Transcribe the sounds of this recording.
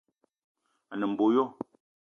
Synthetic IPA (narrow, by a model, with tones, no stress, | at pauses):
a˨nə˨m̩˨bo˨˦jɔ˦